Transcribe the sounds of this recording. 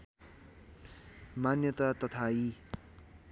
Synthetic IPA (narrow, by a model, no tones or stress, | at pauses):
manjʌt̪at̪ʌt̪ʰai